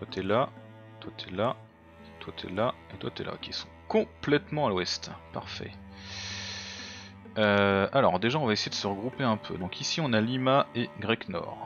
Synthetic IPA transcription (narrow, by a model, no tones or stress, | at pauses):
t̪wat̪ʰɛla | t̪wat̪ʰɛla | t̪wat̪ʰɛ̰laet̪wat̪ɛ̰lʔa̰kʲisɔ̥̃kɔ̃plɛt̪mɑ̃alwɛst̪pa̰ʁfɛ̰ | øalɔʁd̪eʒaɔ̃vaesejed̪əsəʁəɡʁupeɛ̃pʰø̰d̪ɔ̃kʰisiɔ̃nalimaeɡʁɛknɔ̰ːʁ